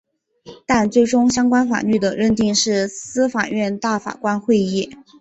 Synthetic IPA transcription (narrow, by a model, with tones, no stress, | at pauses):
t̪a˥˧nt͡swe˥˩ɪʈ͡ʂʊ˥ŋɕjɑ˥ŋkwa˥nfa̰˨˩ny˥˩d̪ə˩ɻə˥˧nt̪i˥˧ŋʂɻ̩˥˩sɹ̩˥fa˨˩ɥɛ˥˧nt̪a˥˩fa̰˨˩kwa˥nxwe˥˧ɪi˥˩